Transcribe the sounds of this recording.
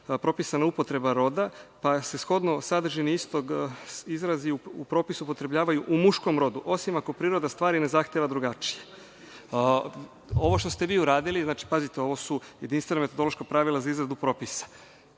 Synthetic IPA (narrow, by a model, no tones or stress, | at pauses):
pɾo̞pisanaupo̞t̪ɾe̞baɾo̞d̪apase̞sxo̞d̪no̞sad̪ɾʒiniist̪o̞ɡizɾaziuupɾo̞ːpisupo̞t̪ɾe̞bʎaːʋajuʔumuʃko̞mɾo̞d̪uʔo̞simako̞pɾiːɾo̞d̪ast̪ʋaːɾine̞zaxt̪jeʋad̪ɾuɡat͡ʃije̞ | o̞ʋo̞ʃt̪ost̪e̞ʋiːuɾaːd̪iliznaːt͡ʃi̥pazit̪e̞o̞ʋo̞sujed̪inst̪ʋename̞t̪o̞d̪olo̞ʃkapɾaʋilazaizɾad̪upɾo̞ːpisḁ